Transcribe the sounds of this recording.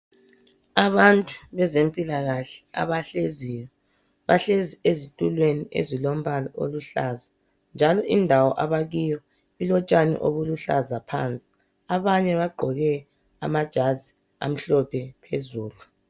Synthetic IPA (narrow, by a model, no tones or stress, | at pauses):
aβantʼu̥βɛzempʼilaɣaɬɛ̥a̰βaɬezijɔ | βaɬeziezitʼulweniʔḛzilom̩βalɔʔo̰luɬaza | nd͡ʒʱalɔʔindʱawɔʔaβaɣijɔ | ilɔt͡ʃʼanɛ̰ʔo̰βuluɬazapʰa̰nt͡sʼi̥ | aβaɲɛβaɡ͡ǃʱɔɣɛ | a̰mad̥ʒ̥ʱazi | a̰m̩ɬɔpʰɛpʰezuːlu